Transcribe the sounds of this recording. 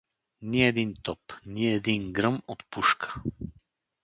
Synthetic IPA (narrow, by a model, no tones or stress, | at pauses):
niɛd̪int̪ɔpniɛd̪iŋɡɾəmot̪puʃkʰə̥